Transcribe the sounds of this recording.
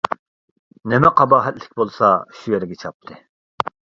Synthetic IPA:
nemɛqʰɑbɑːɦɛt̪lɪ̥kʲbolˠsɑ̰ʃujɛɾɪɡʲɛt͡ʃʰɑp̚t̪ʰɨ

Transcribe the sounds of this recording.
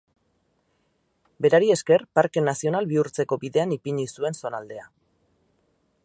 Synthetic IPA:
be̞ɾaɾie̞ske̞rpaɾke̞nasio̞nalβiuɾt͡se̞ko̞biðe̞anipiɲisue̞nso̞nald̪e̞a

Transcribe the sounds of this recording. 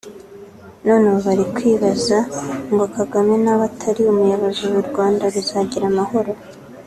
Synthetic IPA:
no̞ːnewoβaɾikwiːβazaŋɡokaɡamenaβatʰaɾiumujaβazuwuɾɡwaːndaβizaɟiɾamaho̞ɾo̞

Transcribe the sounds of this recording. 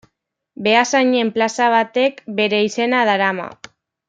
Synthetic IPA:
be̞asaɲe̞mplasaβ̞at̪e̞kbe̞ɾe̞ise̞naðaɾama̰

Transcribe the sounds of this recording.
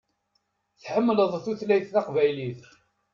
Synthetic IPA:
θħəmːləðˤθuθlæjθθɑqvæjliθ

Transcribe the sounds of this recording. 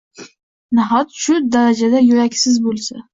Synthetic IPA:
naɦɒt̪ʃʊd̪aɾad͡ʒad̪ajʊɾakʲsɪzbolˠsa

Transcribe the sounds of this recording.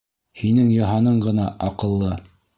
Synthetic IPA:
hinɘŋjɑ̆ɦɑnɤɴɢɤ̆n̪ɑʔɑqɤ̆lˠːɤ

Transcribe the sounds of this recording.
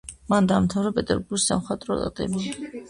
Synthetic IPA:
mand̪aːmt̪ʰavɾɛpʼɛt̪ʼɛ̰ɾbuɾɡisa̰mχwat̪ʼɾɔt̪ʼa̰t̪ʼɛ̰bi

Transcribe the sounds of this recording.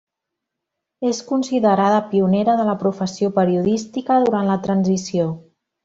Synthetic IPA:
eskunsiðəɾaðəpiuneɾəðələpɾufəsiopəɾiuðist̪ikəðuɾanlət̪ɾənzisio

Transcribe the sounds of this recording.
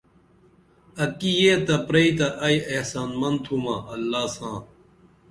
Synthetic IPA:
ɐkijeːt̪ɐpɾɐit̪ɐʔɐjehsaːnmɐnd̪t̪ʰumaːɐlːaːsãː

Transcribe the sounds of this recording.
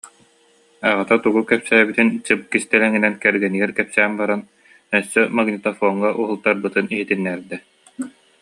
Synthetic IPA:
aʁat̪at̪uɡukɛpsæːbit̪int͡ɕɯp̚kist̪ɛlɛŋinɛnkɛɾɡɛniɡɛɾkɛpsæːmbaɾan | œsːœmaɡnit̪ɔfɔːŋːaʔuɦulˠt̪aɾbɯt̪ɯniɦit̪inːɛɾd̪ɛ

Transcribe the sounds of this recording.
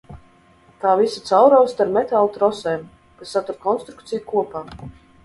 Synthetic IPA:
t̪aːvisat̪sawɾɔːst̪aɾmɛt̪alˠut̪ɾɔsɛːm | kasːat̪uɾkɔnst̪ɾukt̪sijukuɔpaː

